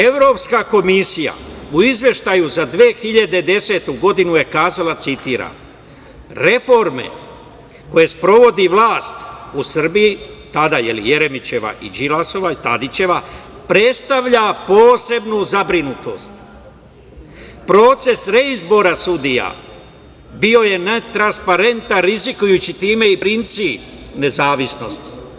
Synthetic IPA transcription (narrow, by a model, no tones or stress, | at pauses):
e̞ʋɾo̞ːpskako̞misija̰uizʋje̞ʃt̪ajuzad̪ʋeːxiʎad̪e̞d̪e̞se̞t̪uɡo̞d̪inuje̞kaːzalat̪sit̪iːɾa̰n | ɾe̞fo̞ɾme̞̰ | ko̞je̞spɾo̞ʋo̞d̪iʋlˠaːst̪usr̩bijit̪ad̪ajelḭje̞ɾe̞mit͡ɕe̞ʋa̰ʔḭd͡ʒilaso̞ʋait̪ad̪it͡ɕe̞ʋa | pɾe̞t̪st̪aʋʎapoːse̞bnuzabɾinut̪o̞̰st̪ | pɾo̞ːt̪se̞sɾeizbo̞ɾasud̪ija̰ | bio̞je̞net̪ɾanspaɾe̞nt̪anɾizikujut͡ɕit̪iːme̞ipɾint̪sipne̞zaːʋisno̞st̪